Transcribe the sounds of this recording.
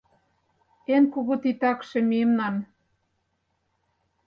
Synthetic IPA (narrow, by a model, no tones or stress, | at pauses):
enkuɣut̪it̪ɑkʃĕmiemnɑn